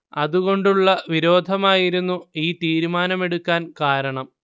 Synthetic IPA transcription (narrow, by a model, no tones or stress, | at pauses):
ɐðuɣo̞ɳɖuɭːɐʋiɾo̞ːd̪ʱɐmaːjiɾunːuiːt̪iːɾumaːnɐme̞ɽukːaːnkaːɾɐɳɐm